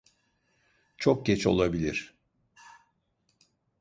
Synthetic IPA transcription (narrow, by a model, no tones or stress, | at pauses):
t͡ʃʰok̚ɟɛt͡ʃo̞̰lˠabilʲiɾ̥